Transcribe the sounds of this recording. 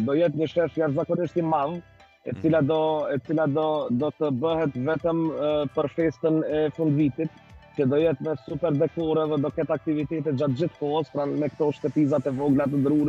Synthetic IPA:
d̪ɔjɛt̪ɲəʃɛʃjaɾzakɔniʃt̪imav | ɛt͡silad̪ɔɛt͡silad̪ɔd̪ɔt̪əbəɦɛt̪vɛt̪əmpəɾfɛst̪ənɛfund̪vit̪it̪ | cəd̪ɔjɛt̪mɛsupɛɾd̪ɛk̚ɔɾɛðɛd̪ɔkɛt̪ak̚t̪ivit̪ɛt̪ɛt̪d͡ʑat̪̚d͡ʑiθkɔɦəspɾanmɛkt̪ɔʃt̪ɛpizat̪ɛvɔɡlat̪əd̪ɾuɾ

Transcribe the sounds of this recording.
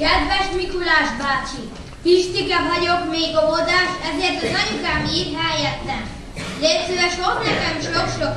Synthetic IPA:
kɛd̪ʋɛʃmikulaːʃbaːt͡ʃi | fiʃt̪ikɑvɒɟokmeːɡovod̪aːʃɛzeːrt̪ɑzɑɲukaːmiːrɦɛjɛt̪ːɛn | d̪esyɛʃormlɛkɛmiʃlokʃo

